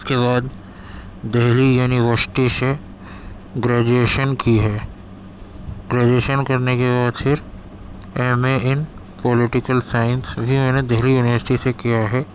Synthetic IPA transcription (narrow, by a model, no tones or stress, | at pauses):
skeβaːd̪ | d̪eɦlijuːniʋəɾsɪ̥ʈiʃe | ɡɾɛːd͡ʒueːʃənkiɦɛː | ɡɾɛːd͡ʒeːʃənkɐɾnekebaːd̪fʰɪɾ | eːmeɪn | pɔːlɪʈɪkəlsaːɪɪ̃nsbʱimõːned̪ɛɦlijuːnɪʋəɾsɪʈisekijaɦɛː